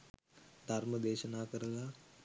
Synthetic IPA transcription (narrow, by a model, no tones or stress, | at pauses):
d̪ʱaɾməd̪eːʃənaːkəɾəla